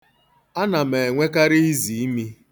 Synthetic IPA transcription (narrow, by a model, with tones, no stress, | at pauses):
a˦na˨me˨ŋʷe˦ka˦ɾi˦i˦zi˨i˦mi˦